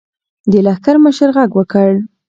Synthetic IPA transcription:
d̪əlahkaɾməʃəɾɣaɡwəkəɽ

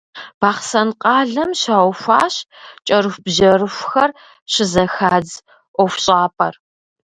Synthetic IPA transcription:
b̥aːχsɐnqʼɑːɮɐmɕaːwʷfʷaːɕt͡ʃʼɐɾɨxʷbʑɐrɨfʷxɐr | ɕɪzɐxaːd͡z | ʔʷɔfɕʼaːpʰʼɐ̰r

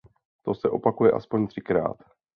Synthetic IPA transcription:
t̪o̞sɛʔo̞pakujɛʔa̰spo̞ɲt̪r̥ɪkɾa̰ːt̪

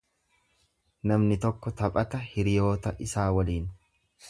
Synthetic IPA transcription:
nɐmnɪt̪ɔkːɔt̪ɐpʼɐt̪ɐhɪɾɪjo̞ːt̪ɐʔɪsaːwɐliːn

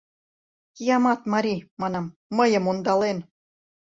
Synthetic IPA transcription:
kijɑmɑt̪mɑɾʲimɑnɑmːəjə̆mund̪ɑlen

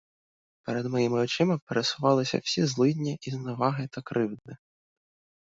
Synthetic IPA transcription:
peɾed̪mɔjimɪɔt͡ʃɪmɐpeɾesʊʋɑlˠɪsʲɐ̰w̥sʲizlˠɪdʲnʲiʔiznɐʋɑɦɪt̪ɐkɾɪwd̪nɪ

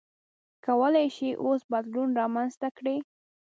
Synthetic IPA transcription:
kawəlajʃiʔosbad̪lunɾɑmanzt̪akɽi

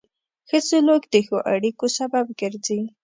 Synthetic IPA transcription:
xət͡sʊlokd̪exoʔaɽikosabab̚ɡəɾzi

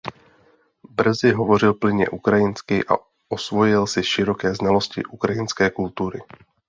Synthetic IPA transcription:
br̩zɪɦɔvoɾɪlplɪɲɛ̰ʔukɾajɪnskɪʔa̰ | ʔɔsvojɪlsɪʃɪɾokɛːznaloscɪ̰ʔukɾajɪnskɛːkult̪uːɾɪ̰

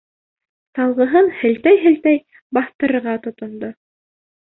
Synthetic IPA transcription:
sɑlˠʁɤ̆ɦɤnhɘ̆lt̪æjɦɘ̆lt̪æj | bɑθt̪ɤ̆ɾɤ̆ɾʁɑt̪ŏt̪ŏnd̪o

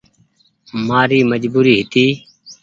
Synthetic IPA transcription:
maːɾiːməd͡ʒbuːɾiːɦɪt̪iː

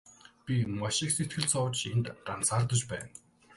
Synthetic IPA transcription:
pʲimaʃɪkset̪ɡɘ̆ɮt͡sʰɔwt͡ɕent̪ɢan̥t͡saːrt̪ə̆t͡ɕpæ̰ːn

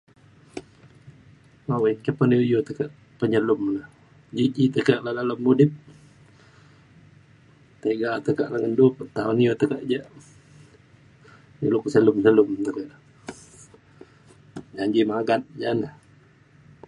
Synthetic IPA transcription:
mawɛnkəpənjojot̪əkəʔ | pəɲəlʊmlah | d͡ʒid͡ʒit̪əkəʔlalalumːudɪp̚ | t̪eɡat̪əkaʔlaŋəndupt̪aunijot̪əkəʔd͡ʒəʔ | niluksəlumsəlʊmt̪əkəʔ | d͡ʒaɲd͡ʒimaɡat̪̚d͡ʒanəh

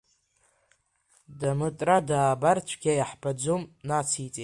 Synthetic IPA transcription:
damɨtʼradaːbart͡ʃʷʰɡ̥ʲajaħbad͡zʷomnat͡sʰit͡sʼi

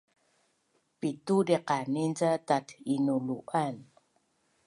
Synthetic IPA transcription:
pitudeqanint͡satatinuluʔan

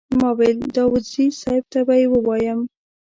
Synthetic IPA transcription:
mɑweld̪ɑwʊd̪zisɑɪb̚t̪abajewəwɑjəm

